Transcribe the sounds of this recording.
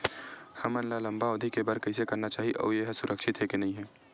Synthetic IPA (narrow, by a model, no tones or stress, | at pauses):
hɐmənlalɐ̃mbaoːd̪ʱikebəɾkɐɪs̬ekɐɾnat͡ʃaːɦiʔo̰ːjeɦsʊɾʔəkʃʰɪt̪ɦɛkenɐɦĩɦɛː